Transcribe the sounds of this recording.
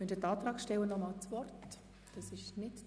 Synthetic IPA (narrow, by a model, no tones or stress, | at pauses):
ɛndətɑːtɾɑːkʃtɛwənːɔmɑlt͡svɔrt | d̥ɑsɪʃnɪt